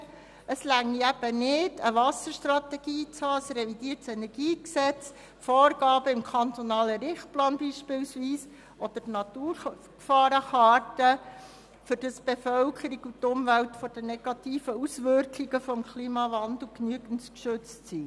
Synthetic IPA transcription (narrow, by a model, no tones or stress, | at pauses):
əslæŋːiæb̥ənɪd̥əʋɑsəɾʃt̪rɑt̪ɛɡ̥iːt͡shɑːəsɾɛvidiːəɾtsɛnɛɾɡiːksɛt͡s | foːɾɡ̥ɑːbəɪmkʰɑnt̪ɔnɑːləɾɪχt̚plɑːnbiːʃpɪwsʋiːs | ʔɔd̪̥əɾnɑt̪uːɾ | kfɑːɾəχɑːɾtə | fʏɾd̥əsb̥efœlkʰəɾiɡutːʊmvæltfɔd̥ənɛɡ̥ɑt̪iːfəusʋʏɾkʰliɡ̥əfɔmkʰliːmɑvɑnd̥̪l̩knyəɡən̩tkʃʏt͡stsi